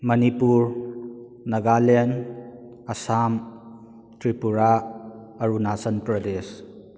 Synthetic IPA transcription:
mɐnipuɾ | nɐɡalen | ɐsam | tɾipuɾa | ɐɾunasənpɾɔdes

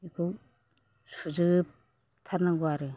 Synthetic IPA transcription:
ikʰuw | suzɯp̚ | tʰaɾnaɡuaɾɯ

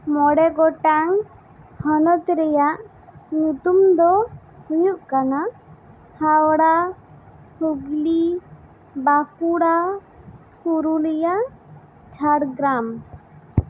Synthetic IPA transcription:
mɔɽɛɡɔʈaŋ | hɔnɔt̪ɾɛjaʔ | nut̪umd̪ɔ | hujuʔkana | hawɽa | huɡli | bakuɽa | huɾulɛjaʔ | t͡ʃʰaɽɡɾam

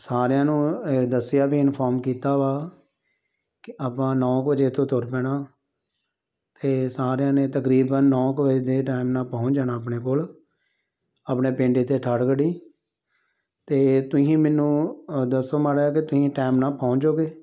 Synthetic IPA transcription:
saːɾɪjãːnũːd̪əsɪjaːbiːɪnpʰaːɾmkiːt̪aːʋaː | kɪaːpãːnɔ̃ːkbəd͡ʒeːt̪ʰõːt̪ʊɾpɛːɽaː | t̪eːsaːɾjãːneːt̪əkɾiːbənːɔ̃ːkʋəd͡ʒed̪eːʈaːmnãːpãːʊt͡ʃd͡ʒaːnaːəpɳeːkoːl | aːpneːpẽːɳɖeːt̪eːʈʰəɽkəɽiː | t̪eːt̪ʊsĩːmɛːnːũːd̪əsoːmaːɽaːkɪt̪ʊsĩːʈaːmnãːpãːʊɲt͡ʃoːɡeː

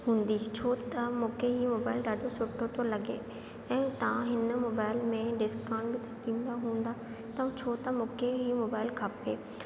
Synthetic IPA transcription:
ɦũːnd̪iːt͡ʃʰoːt̪amoːkeɦimoːbaːɪlɖaːɖosʊʈʰːot̪õlɐɡḛː | ɛ̃ːt̪ɐãɦɪnmoːbaːɪlmẽɖɪskaːɳɖbit̪ãʈĩːnd̪aɦũːnd̪aː | t̪ɐ̃t͡ʃʰoːt̪amoːkeɦimoːbaːɪlkʰaːpeː

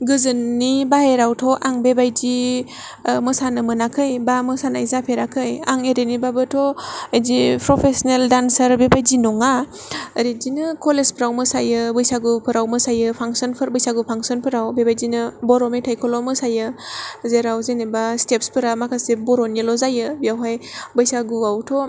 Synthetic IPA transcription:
ɡɯzɯnːibaɦeɾawtʰɔʔaŋbebajdi | mɯsanɯmɯnakʰɯjbamɯsanaizapʰeɾakʰɯja̰ŋeɾenibabɯtʰɔajzipʰɾɔpʰesɔneldansəɾbebajdinɔŋa | ɾidinɯkɔlezpʰəɾawmɯsajɯbɯjsaɡupʰɯɾawmɯsajɯpʰaŋsɔnpʰɯɾbɯjsaɡupʰaŋsɔnpʰɯɾawbebajdinɯbɔɾɔmitʰajkʰɔlɔmɯsajɯzeɾawzenebastepspʰɯɾamakʰasebɔɾɔnilɔzajɯbijawɦajbɯjsaɡuawtʰɔ

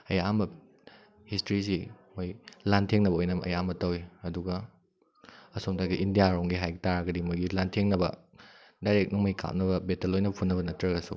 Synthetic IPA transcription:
ɐjambɐ | histɾis̬imojlantʰeŋnɐbɐojnɐmɐ̰jambɐtɐwiɐduɡɐ | ɐsomtaɡiʔindijaɾoŋɡiɦajɡitaɾaɡɐdimojɡilantʰeŋnɐbɐ | dajɾek̚nɐmojkʰa̰p̚nɐbɐbetɐlojnɐpʰunːɐβɐnɐtɾɐɡɐsṵ

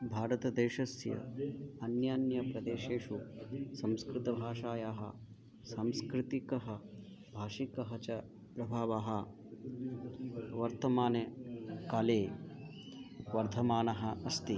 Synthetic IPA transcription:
bʱaːɾɐt̪ɐd̪eːʃɐsjɐ̰ɐnjaːnjɐpɾɐd̪eːʃeːʂusɐmskɾɪt̪ɐbʱaːʂaːjaːɦɐ̰ | sɐmskɾɪt̪ikɐɦɐ | bʱaːʂikɐɦɐt͡ʃɐ | pɾɐbʱaːʋaːɦɐ̆ | ʋɐɾt̪ɐmaːnekaːleː | ʋɐɾt̪ʰɐmaːnɐɦɐ̆ɐst̪i

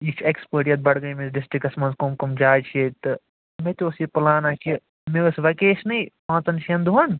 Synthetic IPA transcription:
it͡ʃʰekspəːʈiɐt̪̚bɐɽɡɐimesɖɪsʈɾikɐsmɐnzkomkomd͡ʒaːt͡ʃʰet̪ɨ | met̪ʲoːsjipɐlaːnaki | meɐsʋɐkeːʃnɐipãːt͡sɐnʃʰjɐnd̪uɦɐn

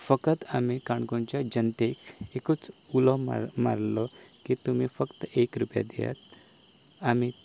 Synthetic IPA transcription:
fəkət̪amikaɳɡõɲt͡ɕjad͡ʑənt̪ekekut͡sulɔm̰ma̰ɾlɔkit̪um̤ifəkt̪əekɾupja̰d̪ija̰t̪ | ami

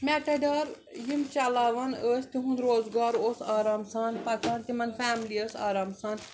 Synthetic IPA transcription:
mʲeʈɐɖaːɾ | jimt͡ʃalaːʋɐnəːst̪iɦũnd̪ɾoːzɡaːɾoːsaːɾaːmsaːnpɐt̪aːnt̪imɐnfæːmliəːsa̰ːɾaːmsaːn

